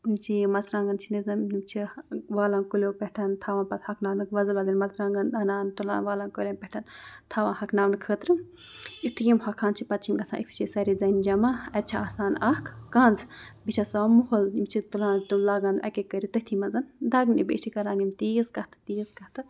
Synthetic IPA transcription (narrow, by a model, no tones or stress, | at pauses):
umt͡ʃʰimɐzɾãːŋɡɐnt͡ʃʰinizɐmimt͡ʃʰiʋaːlankulʲoːpeʈʰɐnt̪ʰaːʋãːnpɐt̪hɐknaːwnɨkʋɐzɐlʋɐzɐnmɐzɾãːŋɡɐnɐnaːnt̪ulã̰ːnʋaːlankolʲɐmpʲɛʈʰɐnt̪ʰaːʋãnhɐkʰnaːʋnɨkʰəːt̪ɾɨ | itʈʰɨjimhɐkʰaːnt͡ʃʰipɐt̪̚t͡ʃʰimɡɐsʰã̰ːʔḭkst͡ʃʰisɐɾid͡zɐnd͡ʒɐmaɐt̪̚t͡ʃʰaaːsaːnɐhkʰːɐːnd͡zbit͡ʃʰasaːmuɦolimt͡ʃʰit̪ulãːnt̪ulaːɡɐnʔɐ̰kekəɾit̪ɨhʲt̪ʰimɐzɐnd̪ɐɡnḭbḛt͡ʃʰikɐɾaːnimt̪izkɐht̪ʰɨ̥t̪iːzkɐht̪ɨ